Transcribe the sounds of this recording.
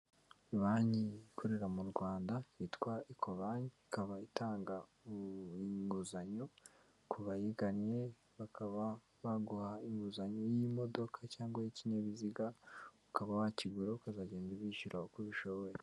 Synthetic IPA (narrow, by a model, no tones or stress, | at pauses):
iβaːɲikʰoɾeɾamuɾɡwaːndaitkwaikʰoβaɲiikaβaitaːŋɡa | iŋɡuzaɲo | kʰuβajiɡanje̞ | βakʰaβa | βaɡuhaiŋɡuzaɲojimo̞do̞kʰacaːŋɡwajiciɲaβiziɡaβukaβaβaciɡuɾokazaɟeːndiβiʃuɾʔahokuβiʃoβoje